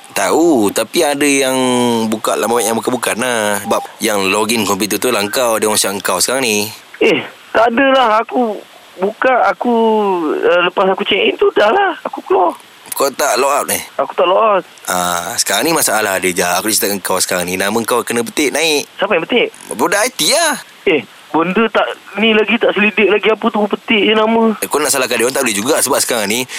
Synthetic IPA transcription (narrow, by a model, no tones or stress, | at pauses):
t̪aut̪apiadəjaŋbukaʔ̪lamawʔjaŋbukaʔbukat̪̚nahəbap̚jaŋloɡinkɔmput̪ət̪ulahəŋkawdəmasaʔəŋkawsə̥kaɾaŋnieh | t̪adəlahaku | bukaʔːku | ələpasakut͡ʃɛʔint̪udahlahakukəlɔ | kawt̪aʔloʔap̚nihaku̥t̪aʔloʔap̚ʔa̰sə̥kaɾaŋnimasaʔalahadəd͡ʒaaʔakut͡ʃit̪akəŋkawsə̥kaɾaŋninamə̃ŋkawkənə̃p̬ət̪ɪʔnaɪʔsampajãpət̪ɪʔpɾudaajt̪ia | eh | bəndət̪aʔnĩlaɡit̪aʔsəlidɪʔ̚laɡiapət̪uupət̪ɪʔd͡ʒənamə̃kɔnaʔsalahkadəant̪aʔbədehd͡ʒuɡasəbaʔsə̥kaɾaŋni